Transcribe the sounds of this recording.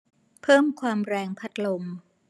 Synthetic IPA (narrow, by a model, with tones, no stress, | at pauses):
pʰɤː˥˩mkʰwaː˧mɾɛː˧ŋpʰa˨˦˥t̪̚lo˧m